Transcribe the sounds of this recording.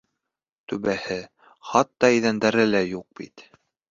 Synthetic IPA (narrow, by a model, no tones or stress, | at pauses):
t̪ɵβæhɘ | χɑt̪ːɑɘjðænd̪æɾɘlæjuq̚b̥ḭt̪